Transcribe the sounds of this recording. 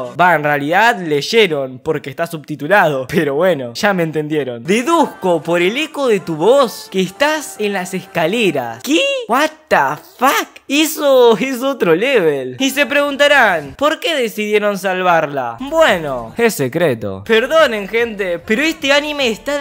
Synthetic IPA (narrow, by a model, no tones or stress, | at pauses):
baenrealiðaðleʃeɾo̞npo̞ɾkeːst̪asuβt̪it̪ulað̞o̞peɾo̞βweno̞ʃameːnt̪e̞nd̪jeɾo̞nd̪iðuhko̞po̞ɾelekoðe̞t̪uβoskeːst̪asenlaseskaleɾa̰skewat̪afakisoes̬ot̪ɾoleβelise̞pɾe̞ɣunt̪aɾanpo̞ɾkeðesiðje̞ɾo̞ns̬alβaɾla̰bwenoesekɾet̪o̰peɾðoneŋxent̪epeɾoest̪eanimeːst̪a